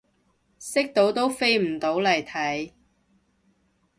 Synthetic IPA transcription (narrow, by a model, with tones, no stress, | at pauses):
sɪ˥k̚t̪o˨˥wt̪o˥wfe˥jm̩˨˩t̪o˨˥wlɐ˨˩jt̪ʰɐ˨˥j